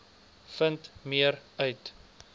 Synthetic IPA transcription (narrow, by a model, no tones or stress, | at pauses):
fəntmiəɾœɥt